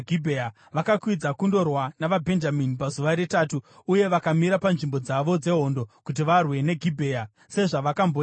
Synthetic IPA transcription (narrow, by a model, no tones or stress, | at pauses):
ɡʱibʱea | ʋakakwid͡zakundo̞rwanaʋabʱe̞nd͡ʒaminipazuʋaɾetaːtuːje̞ʋakamiɾapanʐimbo̞d͡zaʋo̞d͡ze̞ɦo̞ndo̞kut̬iʋarwe̞ne̞ɡʱibʱeːja | se̞ʐaʋakambo